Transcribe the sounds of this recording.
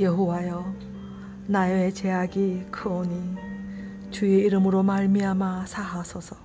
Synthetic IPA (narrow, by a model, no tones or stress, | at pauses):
jeɦowajʌ | najoet͡ɕeɦaɡikʰɯoɲi | t͡ɕueiɾɯmɯɾomaɭmiamasʰaɦasʰʌsʰʌ